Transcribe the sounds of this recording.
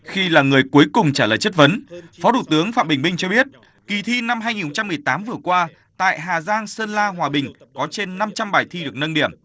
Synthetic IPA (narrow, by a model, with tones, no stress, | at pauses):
xi˧laː˨˩ŋɨ˨˩əjku˨˦jkʊ˨˩ŋ͡mt͡ɕaː˧˩ləː˨˩jt͡ɕə˦˥t̚və˨˦nfɔ˨˦ɗ̪u˧˩t̪ɨ˨˦əŋfa̰˧˨mɓï˨˩ŋ̟mï˧ŋ̟t͡ɕɔ˧ɓi˦˥ət̚ | ki˨˩t̪ʰi˧na˧mhaː˧jŋi˨˩nho˧˩t͡ɕa˧mːɨ˨˩əjt̪aː˨˦mvɨ˨˩əkwaː˧ | t̪a̰ː˧˨jɦaː˨˩zaː˧ŋsəː˧nlaː˧ɦwaː˨˩ɓï˨˩ŋ̟kɔ˨˦t͡ɕe˧nːa˧mt͡ɕa˧mɓaː˨˩jt̪ʰi˧ɗɨ˨˩ək̚nə˧nɗḭ˧˩əm